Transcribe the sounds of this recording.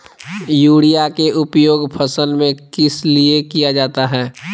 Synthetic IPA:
juːɽijakeʔʊpjoːɡpʰəsəlmẽkɪsliekijad͡ʒaːt̪aɦɛː

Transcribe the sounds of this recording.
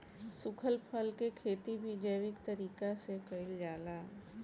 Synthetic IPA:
sʊkʰəlpʰəlkekʰeːt̪ibʱid͡ʒəjʋɪkt̪ɐɾiːkasekəɪld͡ʒaːlaː

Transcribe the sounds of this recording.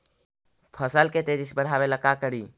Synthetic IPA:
pʰəsəlket̪ed͡ʒisbəɽ̤ɦabeləkːakəɾi

